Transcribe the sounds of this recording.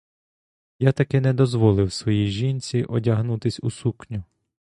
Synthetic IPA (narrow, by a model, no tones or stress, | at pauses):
jat̪ɐkɪnɛd̪ɔzʋɔlˠɪwsʋɔjijʒinʲt͡sʲiʔɔdʲɐɦnut̪ɪsʲusuknʲʊ